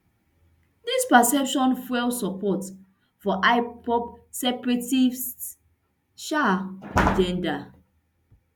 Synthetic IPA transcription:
dispasɛpʃɔ̃nfɛlsɔpɔt | fɔʔaɪpʰɔpsɛpɹɛtiv | ʃad͡ʒɛ̃nda

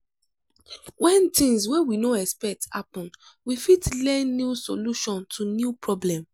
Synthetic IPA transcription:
wɛ̃ntĩŋswɛwinoɛspɛk̚tha̰pɔ̃n | wifitlɛ̃njusoluʃɔ̃ntʰunjupɹɔblɛ̃m

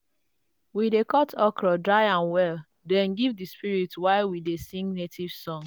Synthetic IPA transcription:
widekɔtʰɔkɹɔdɹaɪãnwɛl | dɛ̃nɡivdispiɹitwaɪwidesĩŋɡnetʰiv̥sɔ̃ŋ

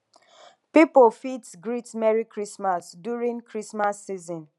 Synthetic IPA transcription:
pipofitsɡɹitmɛɹikɹismasdjuɹĩŋkʰɹismasːizɔ̃n

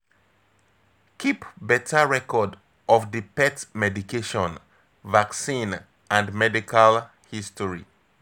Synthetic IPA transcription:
kʰipbɛtʰaɹɛkɔd | ʔɔfdipɛtmɛdikeʃɔ̃n | vaksĩn | ʔãndmɛdikʰal | histɔɹḭ

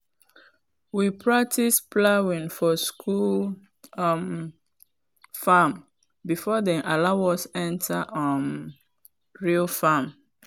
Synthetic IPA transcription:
wipʰɹak̚tʰisplawĩnfɔskʰul | m | fam | bifɔdɛʔalawɔsɛ̃ntʰaʔʌm | ɹilfãm

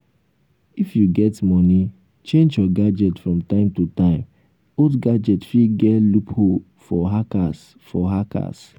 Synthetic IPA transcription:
ifjuɡɛtmɔni | t͡ʃẽnd͡ʒjɔɡad͡ʒɛtfɹɔ̃mtãɪ̃mtutãɪ̃m | odɡad͡ʒɛtfiɡɛlupho | fɔɦakas | fɔɦaka̰s

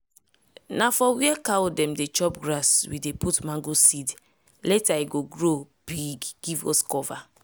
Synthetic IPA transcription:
nafɔwiɛkawdɛ̃mdet͡ʃɔpɡɾaswideputmãŋɡosid | lɛtaiɡoɡɹo | b̥iɡɡ̥ivɔ̰skɔva

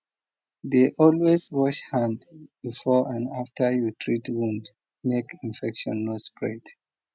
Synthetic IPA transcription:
deʔɔlweswɔʃhãndbifɔãnaftʰə˞jutʰɹitwũnd | mekĩnfɛkʃɔ̰̃nːɔtspʰɹed

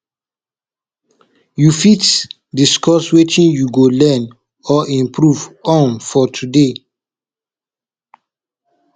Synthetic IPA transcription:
jufit | diskɔswet͡ʃĩnjuɡolɛn | ɔʔĩmpʰɹuvɔ̃nfɔtʰude

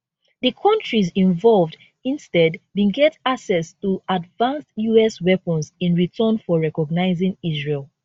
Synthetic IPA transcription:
ðɨkʰɔ̃ntɹizĩɱvɔlvd | ĩnstɛdwĩɡɛtaksɛstuadvãnstjuɛswɛpə̃nzĩnɹitʰə̃nfɔɹɛkɔɡ̚naɪzĩŋizɹelˠ

